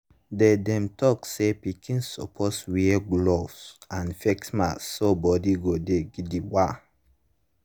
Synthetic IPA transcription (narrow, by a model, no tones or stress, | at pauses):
dɛdɛ̃mtɔksepikʰĩnsɔ̰pʰɔswiɛɡlovsãnfɛksmasːobɔdiɡodeɡidiwa